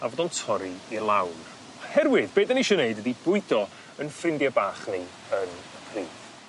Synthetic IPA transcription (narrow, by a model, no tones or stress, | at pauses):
avɔːðɔntʰɔɾiilˠawr | hɛrwɪðbeːdəniʃɔneɨdwədibʊɨdɔ | ənfrɪndjabaːχni | ənəpʰriːðv̥